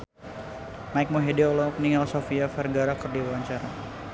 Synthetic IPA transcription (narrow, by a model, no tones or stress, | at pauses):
maik̚moɦediɔlɔpəniŋɡalsofiafɛrɡaɾakərdiwawaɲt͡ʃaɾa